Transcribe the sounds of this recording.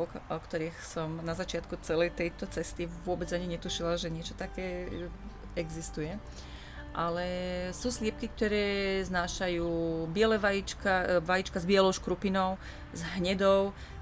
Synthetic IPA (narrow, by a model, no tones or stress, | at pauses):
kʔɔkt̪ɔɾiːxsɔmnazat͡ʃɪat̪kut͡sɛlɛjt̪ɛjt̪ɔt͡sɛst̪iʋʊɔbɛd͡zaɲiɲɛt̪uʃilaʒɛɲɪɛt͡ʃɔt̪akɛː | ɛɡzist̪ujɛ | ʔalɛsuːslɪɛp̚kik̚t̪ɔɾɛːznaːʃajuːbɪɛlɛʋajit͡ʃkaʋajit͡ʃkazbiɪɛlɔʊʃkɾupinɔʊ | zɦɲɛd̪ɔʊ